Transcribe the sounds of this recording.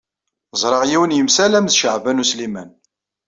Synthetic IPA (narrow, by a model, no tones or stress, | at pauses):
zˤɾˤɑʁjiwənjəmsælæmðʃəʕvænuslimæn